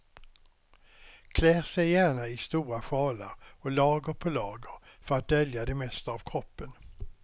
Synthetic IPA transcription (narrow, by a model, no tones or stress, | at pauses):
kʰlæːʁsɛjjæːɳaɪst̪uːɾaɧɑːlə̰ɾɔlɑːɡəɾpʰɔlɑːɡəɾfœɾat̪̚d̪œljad̪ɛmɛst̪əɑvkʰɾɔpːən